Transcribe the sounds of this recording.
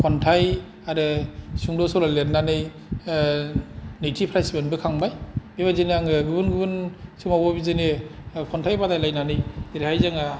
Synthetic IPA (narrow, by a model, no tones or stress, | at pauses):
pʰɔntʰaj | aɾɯsuŋdɔsɔlaleɾnanɯj | nɯjtʰipʰɾajsibɯnbɯkʰaŋbajbeβazeneaŋɯɡɯbɯnɡɯbɯnsumawɔbizenepʰɔntʰajbadajlajnanɯjdeɾhajzaŋa